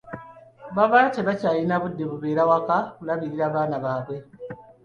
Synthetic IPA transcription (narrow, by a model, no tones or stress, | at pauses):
βaβaːteβacaːjinaβudːe̞βuβeːɾawakakulaβiɾiɾaːβaːnaβaːβwe̞